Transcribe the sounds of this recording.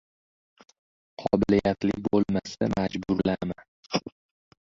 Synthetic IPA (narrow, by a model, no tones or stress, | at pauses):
qʰɒbɪlijat̪lɪkʲbolˠmasamad͡ʒbʊɾlama